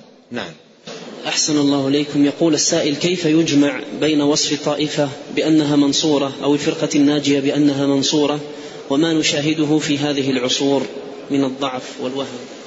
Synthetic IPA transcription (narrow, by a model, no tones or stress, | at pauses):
na̰ʕam | ʔaħsanɑlˤːɑːhʔɪlejkʊmjɑquːlʔasːaːʔɪlkajfajʊd͡ʒmaʕbajnawɑsˤfɑt̪ˤːɑːʔɪfabɪʔanːaɦaːmɑnsˤuːɾˤɑʔawɪlfɪɾqɑnːaːd͡ʒɪjabɪʔanːaɦaːmɑnsˤuːɾˤɑ | wamaːnʊʃaːɦɪd̪ʊɦʊfiːɦaːðɪɦɪlʕʊsˤuːɾ | mɪnɑd̪ˤːɑʕfwalwahm